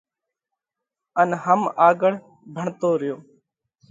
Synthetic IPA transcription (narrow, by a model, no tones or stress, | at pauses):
ənɦəmaːɡəɽ̤ | bʱəɳt̪oːɾɪjoː